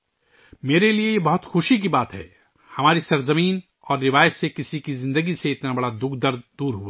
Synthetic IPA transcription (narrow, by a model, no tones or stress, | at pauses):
meːɾeliejebɐɦʊt̪xʊʃik̬ibaːt̪ɦɛ̰ː | hɐmaːɾisɐɾzɐmiːn | ɔːɾːɪʋaːjət̪sekɪsikizɪ̃nd̪əɡiseɪt̪nabɐɽad̪ʊkʰd̪ɐɾd̪̚d̪uːɾɦuaː